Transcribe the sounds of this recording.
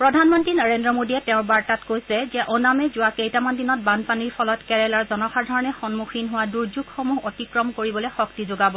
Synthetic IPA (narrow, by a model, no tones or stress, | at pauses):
pɹɔdʱanmɔntɹinaɹendɹɔmodiɛtɛʊ̃ɹbaɹtatkojsɛzɛʔɔnamɛzʊwakejtamandinɔt̚banpaniɹpʰɔlɔtkɛɹɛlaɹzɔnɔxaɹdʱɔɹɔnɛxɔnmuxʰinɦʊwaduɹzuɡxomuɦɔtikɹɔmkoɹibɔlɛjxɔk̚tizoɡabɔ